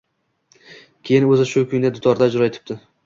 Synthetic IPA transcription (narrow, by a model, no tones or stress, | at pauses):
kʲʰe̞jɪnɵzɪʃʊkʰʲʊŋʲd̪ad̪ʊt̪ʰɒɾd̪ad͡ʒʊɾɒet̪ʰɪ̥p̚t̪ɪ